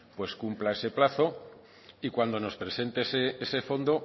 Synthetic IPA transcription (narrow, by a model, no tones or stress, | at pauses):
pwe̞skumplae̞se̞plaθo̞ | ikwand̪o̞no̞spɾese̞nt̪eseese̞fo̞nd̪o̞